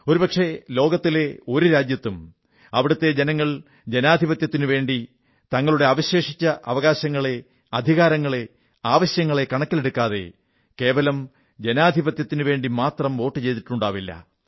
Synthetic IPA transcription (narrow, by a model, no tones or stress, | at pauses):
o̞ɾupɐkʂe̞lo̞ːɡɐt̪ːile̞o̞ɾuɾaːd͡ʑjɐt̪ːum | ɐʋiɽɐt̪ːe̞d͡ʑenɐŋːɐɭ | d͡ʑe̞naːd̪ʱibɐt̪jɐt̪ːinuʋe̞ːɳɖi | t̪ɐŋːɐɭuɽe̞aːʋɐɕe̞ːʂit͡ɕːɐʔɐ̰ʋɐɣaːɕɐŋːɐɭe̞ | ɐd̪ʱiɣaːɾɐŋːɐɭe̞ | aːʋɐɕjɐŋːɐɭe̞kɐɳɐkːileɽukːaːðe̞̰ | ke̞ːʋɐlɐm | d͡ʑe̞naːd̪ʱibɐt̪jɐt̪ːinɨʋe̞ːɳɖimaːt̪rɐmo̞ːʈːɨt͡ɕe̞jt̪iʈːuɳɖaːʋilːɐ̰